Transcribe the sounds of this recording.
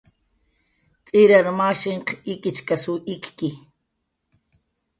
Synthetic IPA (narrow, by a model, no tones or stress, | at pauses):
t͡sʼiɾaɾmaʃiɴqʰikʼɪt͡ʃkasuʔikki